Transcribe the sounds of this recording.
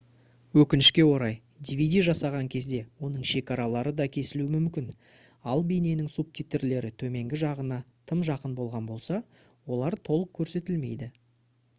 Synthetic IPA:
wɵkʲɪnɪʃkʲe̞wo̞ɾɑj | d̪ʲivʲid̪ʲijʒɑsɑʁɑŋkʲʰe̞zd̪e̞wo̞nəɴʃe̞kɑɾɑlˠɑɾəd̪ɑkʲʰe̞sɪluɪmʏmkʲɪn | ɑlˠbijnenɪŋsub̚t̪ʰʲijt̪eɾle̞ɾɪt̪ʰɵme̞ŋɡʲɪʒɑʁənɑt̪ʰəmʒɑqənbo̞lˠʁɑnbo̞lˠsɑ | wo̞lˠɑɾt̪ʰo̞lˠəq̚kʲʰɵɾse̞t̪ɪlme̞̰jd̪ɪ

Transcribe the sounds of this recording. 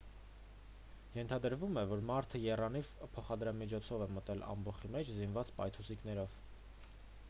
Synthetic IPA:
jɛnt̪ʰɑd̪əɾvumɛvɔɾmɑɾt̪ʰəjɛrɑnivpʰɔχɑd̪ɾɑmit͡ʃʰɔt͡sʰɔvɛmət̪ɛlɑ̰mbɔχimɛt͡ʃʰzinvɑt͡spɑ̰jt̪ʰusiknɛɾɔv̥

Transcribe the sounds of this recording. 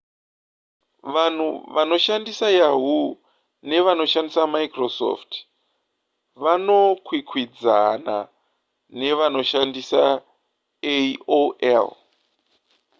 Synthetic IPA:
ʋan̤ṵʋano̞ʃandisajaɦu | ne̞ʋano̞ʃandisamaikroso̰ft | ʋano̞kwikʰwid͡zana̰ | ne̞ʋano̞ʃandisa̰ | eoḛl

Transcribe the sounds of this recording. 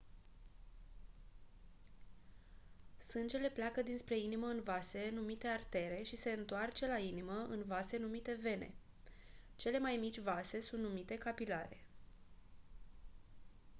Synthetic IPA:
sɨnd͡ʒe̞le̞pleakəd̪inspɾe̞iniməɨnvase̞numit̪e̞art̪e̞ɾe̞ʃise̞ɨnt̪oart͡ʃe̞lainiməʔɨnvase̞numit̪e̞ve̞nḛ | t͡ʃe̞le̞majmit͡ʃʲvase̞sunt̪numit̪e̞kapilaɾe̞

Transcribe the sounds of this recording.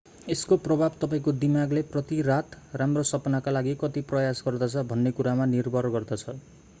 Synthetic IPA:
eskoprʌbʱabt̪ʌpaĩkod̪imaɡleprʌt̪irat̪ramrosʌpnakalaɡikʌt̪iprʌjasɡʌrd̪ʌt͡sʰʌbʱʌnːekuɾamanirbʱʌrɡʌrd̪ʌt͡sʰʌ

